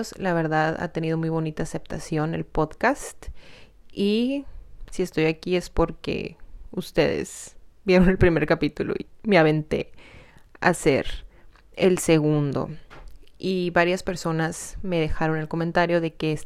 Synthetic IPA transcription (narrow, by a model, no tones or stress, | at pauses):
oslaβ̞e̞ɾðaða̰t̪e̞nið̞o̞mujβo̞nit̪aːse̞p̚t̪asjo̞ne̞̰lpo̞ðkast̪ | i | sie̞st̪o̞jakie̞spo̞ɾkḛust̪e̞̰ðḛzbje̞ɾo̞ne̞lpɾime̞ɾkapit̪ulo̞̰imeaβe̞nt̪e̞̰ | a̰se̞̰ɾ | elseɣund̪o̞̰ | iβaɾjaspe̞ɾso̞nazme̞ð̞e̞xaɾo̞ne̞lko̞ment̪aɾjo̞ðe̞keːs